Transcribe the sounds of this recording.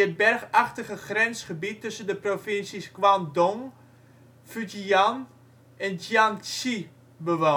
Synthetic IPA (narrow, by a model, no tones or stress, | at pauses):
ət̚bɛrχaχtəχəχrɛnsχəbitːøsəndəprofɪnsiskwandɔŋ | fyd͡ʒian | ɛnd͡ʒjansi | bəʋa